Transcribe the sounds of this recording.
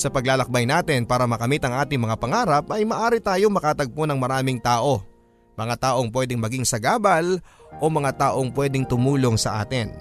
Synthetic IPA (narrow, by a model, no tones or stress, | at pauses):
sɐpɐɡlaːlɐk̚bɐjnaːt̪ɪnpaːɾɐmɐkɐmit̪ɐŋʔaːt̪ɪŋmɐŋapɐŋaːɾɐpɐjmɐʔaːɾɪt̪aːjo̞ŋmɐkaːt̪ɐɡ̚ponɐŋmɐɾaːmɪŋt̪aːʔo̞ | mɐŋat̪aːʔoŋpwɛːd̪ɪŋmɐɡiŋsɐɡaːbɐlʔo̞mɐŋat̪aːʔo̞ŋpwɛːd̪ɪŋt̪ʊmuːlo̞ŋsɐʔa̰ːt̪ɪn